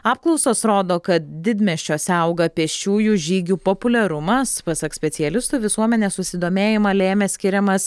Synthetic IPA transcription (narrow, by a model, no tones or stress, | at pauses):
ɑːp̚klˠɐʊsoːsɾoːd̪oːkɐt̪̚d̪ʲɪd̪ʲmʲɛʃʲt͡ʃʲoːsʲɛʊɡɐpʲɛʃʲt͡ʃʲuːjuːʒʲiːɡʲuːpopʊlʲɛɾʊmɐspɐsɐksʲpʲɛt̪sʲɪjɛlʲɪst̪uːʋʲɪsuɔmʲɛnʲeːsʊsʲɪd̪oːmʲeːjɪmɐlʲeːmʲɛsʲkʲɪɾʲɛmɐs